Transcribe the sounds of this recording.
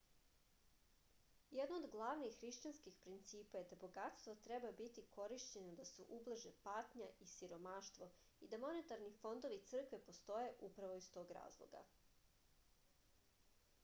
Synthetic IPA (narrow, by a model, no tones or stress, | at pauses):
jed̪nood̪ɡlˠaːʋnixːɾiʃt͡ɕanskixpɾint̪siːpajed̪abo̞ɡat̪st̪vʋot̪ɾɛbabit̪ikʰo̞ɾiʃt͡ɕe̞nod̪asṵʔublˠʒepat̪ɲaʔisiɾo̞maːʃt̪ʋo̞ | id̪amo̞ne̞t̪aɾnifo̞nd̪oʋit̪sr̩kʋe̞po̞st̪o̞je̞ʔupɾaʋo̞ist̪o̞ːɡɾa̰ːzlˠo̰ɡa̰